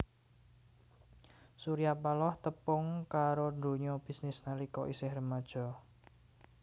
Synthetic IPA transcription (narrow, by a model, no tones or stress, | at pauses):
suɾijapalɔht̪əpʊŋkaɾond̪o̤ɲɔb̥i̤snɪsnalikɔʔisɪhrəmad̥ʒ̥ɔ̤